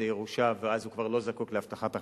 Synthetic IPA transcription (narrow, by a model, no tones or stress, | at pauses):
ejeʁuʃaveazhukvaʁlo̞zakukleaft̪aχat̪a